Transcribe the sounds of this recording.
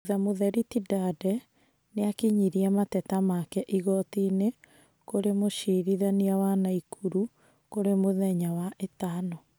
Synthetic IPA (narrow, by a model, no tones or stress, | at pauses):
ðamoðɛɾitidadɛ | neakiɲiɾiamatɛtamakɛʔiɣɔtine | koɾemoʃiɾiðaniawanaikʰuɾu | koɾemoðɛɲawaʔetaːnɔ